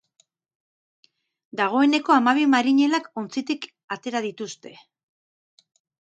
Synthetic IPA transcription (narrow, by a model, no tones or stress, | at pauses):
d̪aɣ̞o̞e̞ne̞ko̞amaβ̞imaɾiɲe̞lako̞nt͡sit̪ik | at̪e̞ɾað̞it̪ust̪e̞